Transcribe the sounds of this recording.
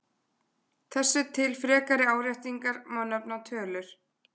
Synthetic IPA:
θɛsːɪt̪ʰɪlfɾɛːkaɾɪaːwɾajht̪iŋkaɾmœnːœpnat̪ʰœːlʏɾ̥

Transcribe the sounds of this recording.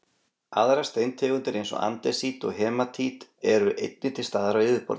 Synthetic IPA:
a̰ðɾast̪ejnt̪ʰɛːɣʏnt̪ɪɾejnsɔ̰a̰nt̪ɛsit̪ɔ̰ɣɦɛːmat̪ʰit̪ɛɾʏʔejt̪̚nɪnt̪ɪ̥st̪aːðaɾaɪðɪpɔ̰ɾ

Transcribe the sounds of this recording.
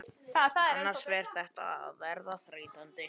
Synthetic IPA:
θaθaðɛnːasvɛɾ̥θɛht̪a̰vɛɾðaθɾeːjt̪ant̪ɪ

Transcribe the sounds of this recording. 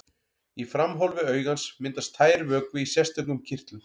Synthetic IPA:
ifɾamɦɔlvɪœːɥɣansmɪnt̪ast̪ʰːaːjɾvœːkvɪisjɛr̥st̪œkŋʏmcʰɪr̥t̪lɪm

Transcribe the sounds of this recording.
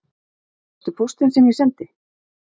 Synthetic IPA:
ɛst̪ʏpʰost̪ɪnsɛmjɛsɛnt̪ɪ

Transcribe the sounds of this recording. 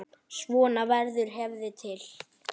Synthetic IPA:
svɔːnavɛɾðʏɾ̥ɦɛvðɪt̪ʰɪl

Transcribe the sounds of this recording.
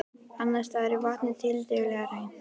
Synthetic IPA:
anːast̪aðɛɾɪvaht̪nɪt̪ʰɪlt̪evlɛɣaɾejn

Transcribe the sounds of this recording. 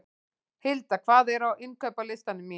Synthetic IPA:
hɪlt̪akʰvaːðɛɾawʔɪnkʰœːpalɪst̪anːʏmːi

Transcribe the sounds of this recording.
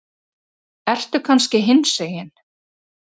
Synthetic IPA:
ɛr̥t̪ʏkʰanscɪɦɪnːseːjɪn

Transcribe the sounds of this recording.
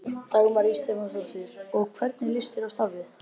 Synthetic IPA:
t̪aːɣʏmaɾist̪ɛmasɔsɪɾ̥ɔɣkʰvɛɾt̪̚nɪlɪst̪ɪɾavst̪avɪ

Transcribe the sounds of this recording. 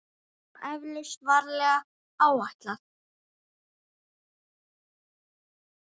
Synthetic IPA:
ʔɛvlɪsvaɾlɛɣa | aːwaht̪laθ

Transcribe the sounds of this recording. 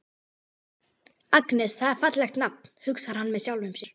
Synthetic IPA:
aknɛsθaðaɾ̥fat̪lɛxt̪nap̚nhʏksaɾ̥hanːmɛðsjawlvʏmsjɛɾ̥

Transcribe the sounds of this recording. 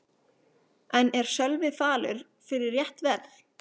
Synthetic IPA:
ɛnɛɾ̥sœlvɪfaːlʏ̰ɾ̥ | fɪɾɪɾjɛht̪vɛɾθ

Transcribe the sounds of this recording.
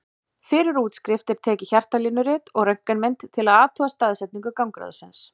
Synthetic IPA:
fɪɾɪɾuːt̪skɾɪft̪ɪɾ̥t̪ʰɛːcɪçar̥t̪aliːnːʏɾɪːt̪ɔɣrœŋ̥kanmɛnt̪t̪ʰːɪlaðaːt̪ʰɔːast̪aːðsɛt̪niŋkʏkawmkɾa̰ðʏ̰sɪns

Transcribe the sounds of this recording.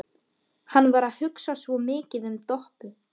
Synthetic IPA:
hanːvaɾaðhʏksasvɔmɪːcɪðʏmt̪ɔhpʏ

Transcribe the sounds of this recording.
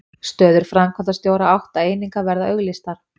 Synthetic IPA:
st̪œːðʏɾ̥fɾamkʰvant̪ast̪joːwɾaawht̪aeːjniŋkavɛɾðaœɣlɪst̪aɾ̥

